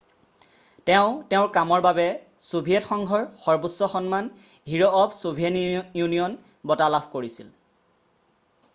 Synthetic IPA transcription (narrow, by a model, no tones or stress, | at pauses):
tɛʊ̃tɛʊɹkamɔɹbabɛ | sobʱiɛtxɔŋɡʱɔɹxɔɹbusːɔxɔnmanɦiɹɔɔpsobʱenjunijɔn | bɔtalabʰʱkoɹisil